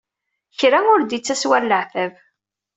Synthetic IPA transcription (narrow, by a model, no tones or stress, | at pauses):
çɾaʊɾd̪it͡sːæswælːəʕθæv